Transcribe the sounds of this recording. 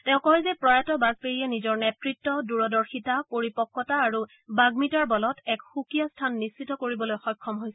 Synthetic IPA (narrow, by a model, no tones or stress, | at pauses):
tɛʊ̃kɔɦɛzɛpɹɔjatɔbaɡpeɹiɛnizɔɹnɛtɹitːɔduɹɔdɔɹxitapoɹipɔkːɔtaːɹu | baɡmitaɹbɔlɔtɛkxukijastʰanːisːitɔkoɹibɔlojxɔjkʰːɔmɦojsɛ̥